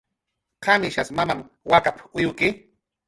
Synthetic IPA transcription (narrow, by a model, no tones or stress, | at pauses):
qʰamɪʃasmamam | wakapʊjʊkɪ